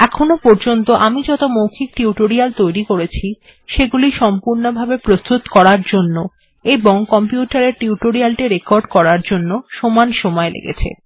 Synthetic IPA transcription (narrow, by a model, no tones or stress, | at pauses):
ɛkʰonopɔɾd͡ʑont̪oʔamid͡ʑɔt̪omowkʰik̚ʈiuʈoɾialt̪ojɾikoɾet͡ɕʰi | ʃeɡuliʃɔmpuɾnobʱabepɾost̪ut̪kɔɾaɾd͡ʑonːo | eboŋkɔmpjuʈaɾeɾʈiuʈoɾialʈiɾekoɾɖkɔɾaɾd͡ʑonːoʃomanʃɔmɔelḛɡḛt͡ɕʰḛ